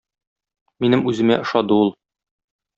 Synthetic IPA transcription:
minɘmʉzɘ̆mæ̰ʔɤ̆ʃɑd̪ɤulˠ

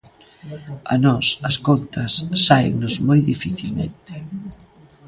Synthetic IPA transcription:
ɐ̰nɔsɐskont̪ɐsːaḛŋnʊzmojðifiθilmḛ̃nt̪ɪ̥

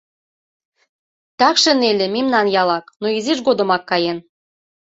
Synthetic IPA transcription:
t̪ɑkʃenelʲĕmimnɑnjɑlɑknoiziʃɡod̪ə̆mɑkːɑjen

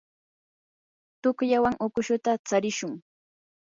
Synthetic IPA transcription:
t̪ʊkjawaŋʊkʊʃʊt̪at͡saɾɪʃʊŋ

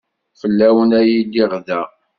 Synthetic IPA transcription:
fəlːæwənæjilːiʁðæ

